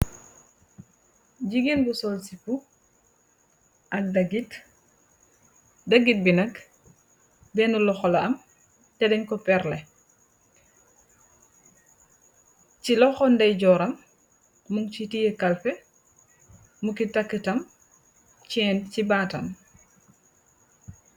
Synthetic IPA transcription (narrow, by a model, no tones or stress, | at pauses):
ɟiɡinbusɔlsipu | ʔɐk̚dɡit | daɡit̚binɐk | bɛnulɔxɔlaɐm | tɛdɛɲkɔpɛɾlɛ | t͡ʃilɔxɔndɛjɟɔːɾɐmː | uŋt͡ʃitijekalfɛ | mukitakːitɐm | t͡ʃɛːncibaːtɐ̰m